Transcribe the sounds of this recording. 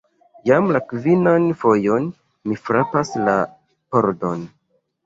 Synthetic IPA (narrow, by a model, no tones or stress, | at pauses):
jamlakvinanfo̞jo̞n | mifɾapasla̰ | poɾdon